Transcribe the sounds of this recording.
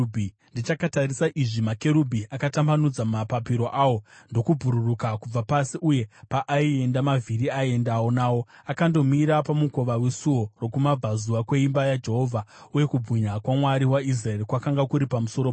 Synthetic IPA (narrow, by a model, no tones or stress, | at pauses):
bʱi | ndit͡ʃakatarisaʔiʐimake̞ɾubʱiakatambanud͡zamapapiɾo̞ʔaːwondo̞kub͡vʱuɾurukakub͡vapasiʔuje̞paʔaie̞ndamavʱiɾiaie̞ndawonaːwo̞akando̞miɾapamuko̞ʋawesuo̞ro̞kumab͡vʱazuwakwe̞imbajad͡ʒe̞ɦo̞vʱauje̞kub͡vʱiɲakwamwaɾiwais̬rae̞rkwakaŋɡakuɾipamuso̞ɾo